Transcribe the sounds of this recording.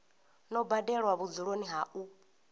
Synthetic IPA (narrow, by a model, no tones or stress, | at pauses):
nɔbadɛɺwaβud͡zuɺoniɦaʔu